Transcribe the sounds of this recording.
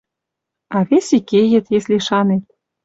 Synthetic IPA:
ɑβesʲikejɘ̆t̪jesʲliʃɑnet̪̚

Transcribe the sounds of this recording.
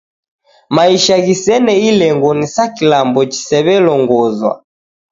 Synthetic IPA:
maiʃaɣisɛnɛilɛŋɡɔnisakilambɔt͡ʃi̥sɛβɛlɔŋɡɔzwa̰

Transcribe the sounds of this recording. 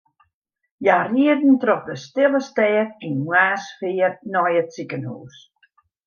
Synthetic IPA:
jariədn̩trɔxdəstɪlˠəstɛːkinwwaːsfɪːərnɔjətsikənhṵːs

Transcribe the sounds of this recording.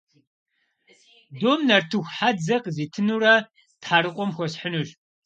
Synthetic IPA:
doːmnɐrtʰɨxʷħad͡zɐqziːtʰɨnuɾɐ | tħaɾɨqʷʼɔmxʷɔɕħənuʒ

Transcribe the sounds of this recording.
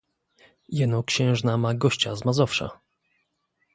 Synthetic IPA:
jɛnɔkɕɛ̃w̃ʐnamaɡɔɕt͡ɕazmazɔfʂa̰

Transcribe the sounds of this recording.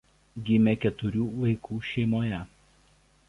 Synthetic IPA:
ɡʲɪmʲɛkʲɛt̪ʊɾʲuːʋɐɪkʰuːʃʲɛɪmoːjɛ

